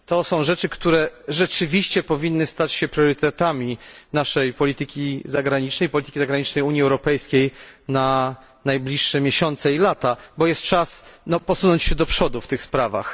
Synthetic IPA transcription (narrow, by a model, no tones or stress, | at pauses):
t̪ɔsɔ̃w̃ʐɛt͡ʂɘkt̪uɾɛʐɛt͡ʂɘvʲiɕt͡ɕɛpɔvʲinːɘst̪at͡ɕɕɛpɾʲjɔɾɘt̪ɛt̪amʲinaʂɛjpɔlʲit̪ɘkʲizaɡɾaɲit͡ʂnɛjpɔlʲit̪ɘ̥kʲizaɡɾaɲit͡ʂnɛjuɲjiɛwɾɔpɛjskʲejna | najblʲiʂːɛmʲjeɕɔnt̪sɛilat̪abɔjɛst̪̚t͡ʂasnɔpɔsunɔɲt͡ɕɕɛd̪ɔpʂɔd̪uft̪ɘxspɾava̰x